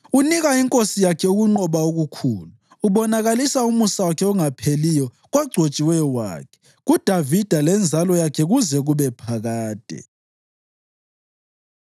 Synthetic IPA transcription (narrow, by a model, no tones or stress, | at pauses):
uniɣaiŋkʼosijakʰɛuɣuŋ͡ǃɔβaoɣukʰuːluːβɔnaɣalisaumusawakʰɛɔŋapʰelijɔ | ɣwaɡ͡ǀʱot͡ʃʼiwɛjɔwa̰ːkʰɛ̥ | ɣud̥ʱavid̥ʱalɛnd͡zʱalɔjakʰɛɣuzɛɣuβɛpʰaɣaːd̥ʱɛ̰